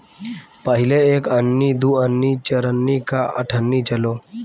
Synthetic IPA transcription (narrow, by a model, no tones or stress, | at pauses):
pəɦɪleeːkənːid̪uənːit͡ʃəɾənːikaʔə̰ʈʰənːit͡ʃəloː